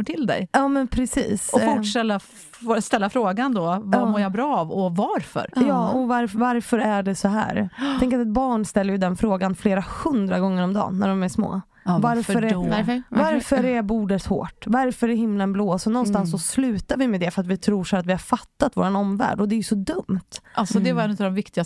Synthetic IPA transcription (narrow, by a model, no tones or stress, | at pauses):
ʈʰɪld̪ɛ̰jjɑːmɛnpʰɾɛsḭːsɔfʊʈʂɛlːa | st̪ɛlːafɾoːɡand̪ɔvamoːɾjabɾɑːvɔvaɾfœ̰ɾjɑːɔvaɾvaɾfœɾæɖɛsɔɦæ̰ːɾt̪ɛŋkəɾat̪ɛt̪̚bɑːɳst̪ɛlːəɾjɵd̪ɛnfɾoːɡanfleːɾahɵnd̪ɾaɡɔŋːəɾɔmd̪ɑ̰ːnːæ̰ɖɔmæʂmo̰ː | vaɾfœɾɛvaɾfœɾɛɾbuːɖət̪ho̰ːʈːvaɾfœɾɛhɪmːlanbloːsɔnɔnst̪ansːɔslʉ̟ːt̪aɾvɪmɛd̪ɛfœɾat̪vɪt̪ʰɾuːʂæːɾat̪vɪhaɾfat̪ːat̪vo̰ːɾanɔmvæ̰ːɖɔd̪ɛjɵsɔd̪ɵmt̪ʔalsɔd̪ɛvaɾɛnʉt̪ad̪ɔmvɪkt̪ɪɡa